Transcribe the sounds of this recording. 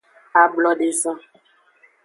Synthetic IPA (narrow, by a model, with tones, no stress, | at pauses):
a˨blɔ˦ɖe˨zã˦